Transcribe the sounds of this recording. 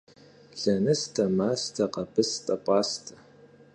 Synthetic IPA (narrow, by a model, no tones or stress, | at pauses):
ɮɐnɨstʰɐmaːstʰɐqɐpʰɨstʼɐpʷʼɑːstʰɐ̥